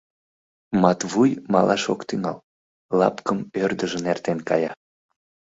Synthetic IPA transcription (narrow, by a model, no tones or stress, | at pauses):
mɑt̪βujmɑlʔɑʃokt̪yŋɑl | lɑ̰pkəmørd̪əʒənert̪enkɑ̰jɑ